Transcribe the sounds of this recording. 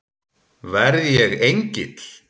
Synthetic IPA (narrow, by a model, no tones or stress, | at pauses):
vɛɾðjɛɣejɲcɪt̪l̥